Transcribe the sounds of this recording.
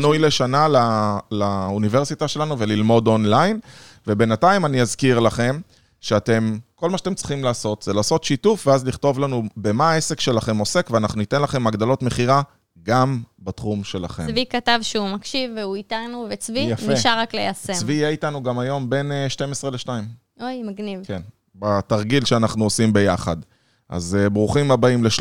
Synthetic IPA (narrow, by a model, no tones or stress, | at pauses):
nujleʃanalalaunive̞ʁsitaʃe̞lanuvelilmo̞d̪o̞nlajn | ve̞be̞nataimaniazkiʁlaχe̞m | ʃeate̞mko̞lmaʃatemt͡sʁiχimlaːso̞tz̥elaːso̞tʃitufveazliχt̪o̞vlanube̞mae̞se̞kʃe̞laχe̞mo̞se̞kveanaχnunite̞nlaχe̞maɡd̪alo̞tme̞χiʁa | ɡambat̪χumʃe̞la̰χḛmvikat̪avʃeumakʃivːeuit̪anuvet͡svijafnieʃaʁaklejasevijeitanuɡamajo̞mbe̞neʃte̞mesʁe̞leʃnaim | ojmaɡnivken | bat̪aʁɡilʃeanaχnuosimbe̞jaχad̪ | ʔa̰zebʁuχimabaimleʃ